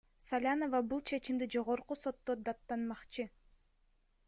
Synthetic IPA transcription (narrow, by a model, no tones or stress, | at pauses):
salʲano̞vɑbulˠt͡ʃʰe̞t͡ʃimd̪id͡ʒo̞ʁo̞ɾquso̞t̪ːod̪at̪ːɑnmɑqt͡ʃɯ